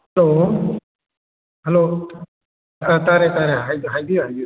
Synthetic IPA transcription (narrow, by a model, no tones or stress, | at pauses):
ɦɛlo | ɦɛlo | t̪aɾet̪aɾeajd̪ɦajd̪iad̪i